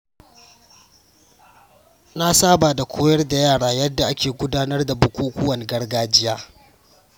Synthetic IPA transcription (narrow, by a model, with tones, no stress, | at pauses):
na˦saː˦baː˨da˨kʷʰoː˦jɐ˦rda˨jaː˦˨ɽaː˦jɐ˦dːa˨ʔa˦kʲeː˨ɡʷʊ˦daː˦nɐ˦rda˨bʊ˦kʷuː˦kʷʊ˦wɐ˨n˨ɡɐ˦rɡaː˦d͡ʒɪ˦jaː˦